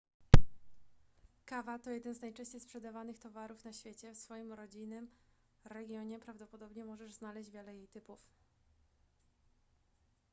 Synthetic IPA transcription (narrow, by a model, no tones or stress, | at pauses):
kavat̪ɔjɛd̪ɛnznajt͡ʂɛ̃ɕt͡ɕejspʂɛd̪avanɘxt̪ɔvaɾufnaɕfʲjet͡ɕɛfsfɔjimɾɔd͡ʑijnɘm | ɾɛɡʲjɔɲɛpɾavd̪ɔpɔd̪ɔbɲɛmɔʐɛʐznalɛɕʑd͡ʑvʲjɛlɛjejt̪ɘpuf